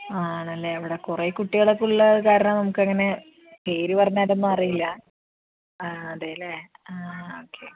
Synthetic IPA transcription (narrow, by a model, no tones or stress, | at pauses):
aːɳɐlːeɐʋiɽekureːkuʈːiɣɐɭokːuɭːɐðɨkaːɾɐɳɐmnɐmukːɨɐŋːɐne̞ | keːɾiʋɐrɐɲːaːɾenːɨɐrijilːɐ | aɐðaːjile | aoːkʰːḛ